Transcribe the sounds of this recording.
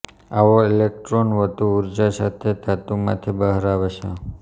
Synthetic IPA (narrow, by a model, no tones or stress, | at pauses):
aʋoelek̚ʈɾonʋət̪uːɾd͡ʒasat̪ʰet̪at̪umã̰t̪ʰibəɦɾaʋet͡ʃʰḛ